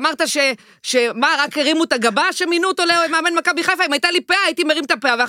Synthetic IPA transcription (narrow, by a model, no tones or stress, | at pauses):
maʁt̪aʃe | ʃemaʁakeʁimut̪aɡabaʃeminut̪oleoemeamenmakabiχajfaimajit̪alipeaːjit̪imeʁimt̪apeavea